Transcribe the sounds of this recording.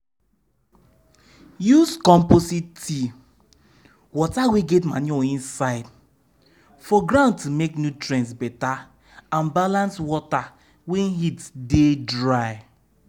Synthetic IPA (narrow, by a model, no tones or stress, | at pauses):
juskɔ̃mpositi | wɔtaweɡɛtma̰nĩɔĩnsaɪd | fɔɡɹãʊ̃ntumeknjutɹɛ̃ntsbɛta | ãnbalãnswɔta | wenhitdedɹaɪ